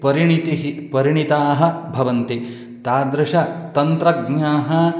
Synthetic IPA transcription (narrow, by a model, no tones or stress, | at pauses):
pɐɾiɳit̪iɦipɐɾiɳit̪aːɦɐ̆bʱɐʋɐnt̪i | t̪aːd̪ɾɐʃɐt̪ɐnt̪ɾɐɡɲaːɦɐ